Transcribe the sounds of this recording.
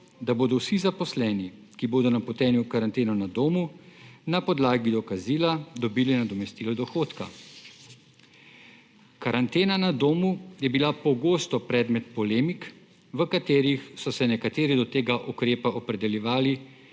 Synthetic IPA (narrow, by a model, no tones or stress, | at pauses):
d̪aboːd̪ɔwsizapɔslɛːni | kiboːd̪ɔnapɔt̪ɛːnjukaɾant̪eːnɔnad̪oːmunapɔd̪laːɡid̪ɔkaziːlad̪ɔbiːlinad̪ɔmɛst̪iːlɔd̪ɔxoːt̪ka̰ | kaɾant̪eːnanad̪oːmujɛbilapɔɡoːst̪ɔpɾɛːd̪mɛt̪pɔleːmik | ʋəkat̪eːɾixsɔsɛnɛkat̪eːɾid̪ɔt̪eːɡaʔukɾeːpaʔɔpɾɛd̪ɛljɛʋaːli